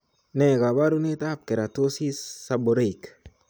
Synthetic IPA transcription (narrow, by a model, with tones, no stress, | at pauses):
nɛ˨ɡa˨ba˦ɾu˦ne˦ta˦˨p̚ke˨ɾa˨to˦si˦ssa˨bo˨ɾe˦˨jk